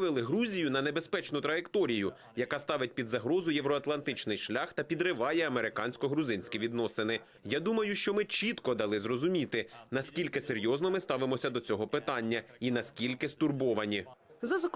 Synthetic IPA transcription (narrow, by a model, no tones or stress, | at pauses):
ʋɪlˠɪɦɾuzʲijʊnɐne̞bespɛt͡ʃnʊt̪ɾɐjekt̪ɔɾʲijʊ | jɐkɑst̪ɑʋɪt̚ʲpʲid̪zɐɦɾɔzʊjeʋɾɔɐt̪lˠɐnt̪ɪt͡ʃnɪjʃlʲaxt̪ɐpʲid̪ɾɪʋɑjɛɐmeɾɪkɑnʲsʲkɔɦɾʊzɪnʲsʲkʲiʋʲid̪nɔsɪnɪ | jad̪umɐjʊʃt͡ʃɔmɪt͡ʃit̪kɔd̪ɐlˠɪzrɔzʊmʲit̪ɪnɐskʲilʲkɪseɾʲjɔznɔmɪst̪ɑʋɪmɔsʲɐd̪ɔt͡sʲɔɦɔpɪt̪ɑnʲːɐinɐskʲilʲkɪst̪ʊrbɔʋɐnʲizɐzɐk